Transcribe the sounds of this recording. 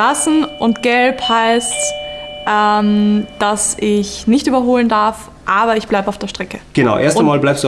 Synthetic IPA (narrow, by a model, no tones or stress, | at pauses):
asn̩ʔʊntɡ̥ɛlphaɪstʔɛmd̥asɪçnɪçtʔyːbɐɦoːləndaɐf | ʔaːbɐɪçb̥laɪbəaʊfd̥eːɐʃtʁ̥ɛkə̥ɡ̥ənaʊʔeːɐstamaːlblaɪpsd̥u